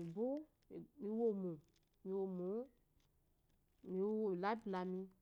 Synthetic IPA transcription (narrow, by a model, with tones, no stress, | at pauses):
i˨bo˦˨ | mĩ˧˦wo˦˨mũ˨ | mĩ˧wo˨mũ˨˦ | mĩ˨˧˦wo˨la˦bla˨mĩ˧